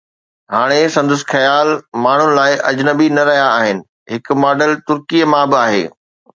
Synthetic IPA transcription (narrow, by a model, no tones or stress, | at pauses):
ɦaːɽ̃esɐ̃nd̪ʊsxɐjaːlmaːɳ̤ʊnɪ̆laːɪʔɐd͡ʑnɐbinɐɾɐɦijaːɦɪnɪ̆ | ɦɪk̆maːɖəlt̪ʊɾkijəmãbɪaːɦḛː